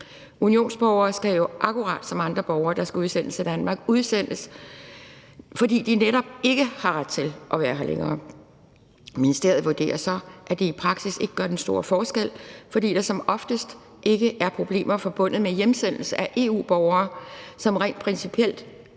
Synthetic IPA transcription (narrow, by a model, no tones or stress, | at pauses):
unio̝̰ːnsb̥ɒʊɐːsɡ̥æjoʔɑkʰuʁɑ̰̈ːd̥sɒ̽mɑ̈nd̥ʁɐb̥ɒʊɐːd̥ɑ̈sɡ̥æuðˠsen̰əsæd̥ænmɑ̈ːɡ̥uðˠsen̰əs | fɒ̽d̥ḭːd̥ineɾ̥ɒ̽b̥̚e̝ɡ̥əhɑ̈ʁad̥̚t͡sʰe̝lʔɒ̽ʋæːɐɦɑ̈lʔḛŋɐː | minisd̥e̝ɐ̰ð̩ˠʋuɐd̥e̝̰ːɐsɒ̽ʔæd̥eipʰʁɑ̈ɡ̥sise̝ɡ̥əɡ̥ɶɐd̥ensd̥o̝ːɐfɒːsɡ̥el̰fɒ̽d̥ḭːd̥ɑ̈sɒ̽mɒ̽fd̥əsd̥ | ʔe̝ɡ̥əʔæɐpʰʁo̝b̥le̝̰ːmɐfɒ̽b̥ɔ̽n̰ð̩ˠmejemsen̰l̩səæʔe̝ːṵːb̥ɒʊɐːsɒ̽mʁɛ̰ːnd̥pʰʁɛnsipʰiel̰d̥